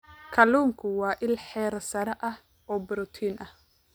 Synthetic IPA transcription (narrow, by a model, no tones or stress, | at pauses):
kʰɐluːŋkʰʊwɑːʔɪlħɛːɾsɐɾɐʔɐh | ɔːbʊɾʊt̪ʰiːnʔɐh